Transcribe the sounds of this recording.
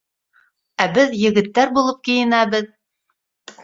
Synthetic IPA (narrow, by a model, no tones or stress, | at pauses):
æbɘðjɘ̆ɡɘ̆t̪ːæɾbulˠɤp̚kijɘ̆næβɘð